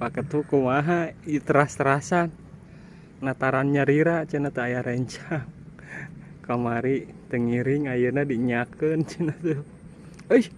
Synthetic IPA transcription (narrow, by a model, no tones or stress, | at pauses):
pakət̪ukumaɦait̪əɾast̪əɾasanː | at̪aɾanɲaɾiɾat͡ʃənat̪əajaɾɛɲt͡ʃaŋ | kamaɾit̪əŋiɾiŋajənadiɲakənt͡ʃənat̪ə | əj